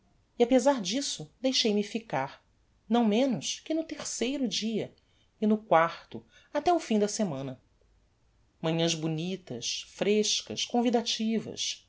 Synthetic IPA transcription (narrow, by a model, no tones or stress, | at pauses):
iapezaɾd͡ʒisʊd̪ejʃejmɪfikaɾ | nɐ̃w̃mẽnʊʃkɪnʊt̪eɾsejɾʊd͡ʒiɐ | ɪnʊkwaχt̪ʊ | at̪ɛʊfĩd̪ɐsemɐ̃nɐ | mɐ̃ɲɐ̃zbunit̪ɐʃfɾeʃkɐ̰skõvid̪at͡ʃivɐ̰s